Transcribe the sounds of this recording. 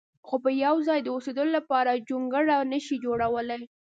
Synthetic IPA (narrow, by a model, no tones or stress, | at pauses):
xopəjawzɑjd̪əused̪əlolapɑɾad͡ʒuŋɡəɽanəʃid͡ʒoɽawəlaj